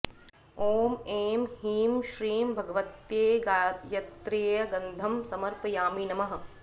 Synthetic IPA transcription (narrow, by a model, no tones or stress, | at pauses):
oːmeːmhiːmʃɾiːmbʱɐɡɐʋɐt̪jeːɡaːjɐt̪ɾeːjɐɡɐnd̪ʱɐmsɐmɐɾpɐjaːmiːnɐmɐɦɐ̆